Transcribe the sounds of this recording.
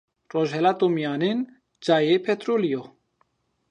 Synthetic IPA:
roːʒhɛlaːt̪omijaːnen | d͡ʒaːjepʰɛt̪ɾoːlijo

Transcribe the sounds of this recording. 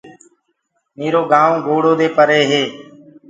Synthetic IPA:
miːɾoːɡaːʋõːɡoːɽoːd̪eːpəɾeːɦeː

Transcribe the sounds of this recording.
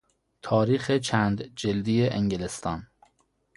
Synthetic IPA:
t̪ʰɒːɾiːxet͡ʃʰæːnd̪d͡ʒeld̪ijeʔeŋɡelest̪ɒːn

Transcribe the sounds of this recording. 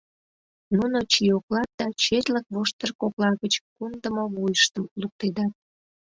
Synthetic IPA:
nunot͡ɕioklɑt̪̚d̪̥ɑt͡ɕet̪lək̚βoʃt̪ərkoklɑɣət͡ɕkund̪əmoβojəʃt̪əmluk̚t̪ed̪ɑt̪̚

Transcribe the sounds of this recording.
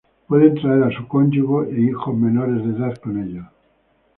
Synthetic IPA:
pwe̞ðent̪ɾaeɾasuko̞nʲd͡ʒuɣoʔeixo̞zme̞no̞ɾe̞zðe̞ːðaðko̞ne̞ʎa

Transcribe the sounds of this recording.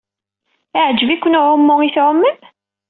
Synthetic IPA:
aʕd͡ʒəvikʷːʊnʊʕʊmːʊŋiθʕʊmːəm

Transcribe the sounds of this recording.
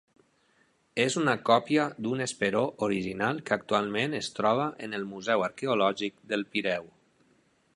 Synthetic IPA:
ezunəkɔpjad̪unespeɾoʔoɾiʒinalˠkəak̚t̪ualˠmẽnəst̪ɾɔβ̞əʔənəlˠmuzɛwəɾkeulɔʒik̚d̪əlˠpiɾɛw

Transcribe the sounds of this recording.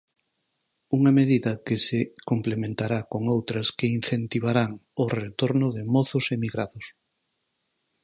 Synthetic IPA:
uŋɐmeðiðɐkɪsekomplemẽnt̪aɾakoŋowt̪ɾɐskein̟θent̪iβ̞aɾaŋʊret̪oɾnʊðɪmoθʊsemiɣɾaðʊs

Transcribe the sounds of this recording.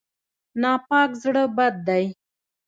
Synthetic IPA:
nɑpɑkzɽəbad̪̚ːaj

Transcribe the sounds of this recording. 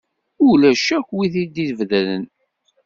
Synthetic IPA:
ʊlæʃækʷwiθid̪iðvðælən

